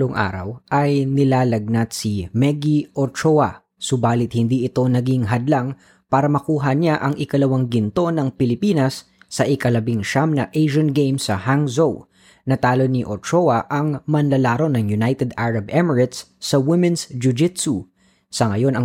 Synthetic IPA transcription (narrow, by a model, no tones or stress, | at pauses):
loŋʔa̰ːɾɐ̰wʔɐjnɪlaːlɐɡ̚nɐt̪̚simɛɡiʔoɾt͡ʃoɐ | sʊbaːlɪt̪̚hɪnd̪iɪt̪o̞nɐɡiŋɦɐd̪laŋ | paːɾɐmɐkuːɦɐɲaʔɐŋʔɪkɐlɐwaŋɡɪnt̪o̞nɐŋpɪlɪpiːnɐsː | ɐʔɪkɐlɐbiŋʃamnɐʔejʃɐnɡejmsɐhaŋzow | nɐt̪aːlo̞niʔoɾt͡ʃowɐʔɐŋmɐnlɐlaːɾo̞nɐŋjʊnajt̪ɛd̪aɹɐbʔɛmɛɹɪt̪sːɐwɪmɛnsd͡ʒʊd͡ʒɪt̪su | sɐŋɐjo̞nɐ